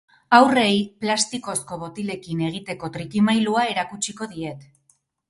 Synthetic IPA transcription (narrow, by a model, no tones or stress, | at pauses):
awre̞jplast̪iko̞sko̞βo̞t̪ile̞kine̞ɣ̞it̪e̞ko̞t̪ɾikimajluae̞ɾakut͡ʃiko̞ðie̞t̪